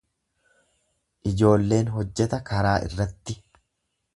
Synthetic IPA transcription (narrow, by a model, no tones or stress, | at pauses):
ʔɪd͡ʒo̞ːlːe̞ːnɦɔd͡ʒːɛt̪ɐkɐɾaːʔɪ̰rːɐt̪ːɪ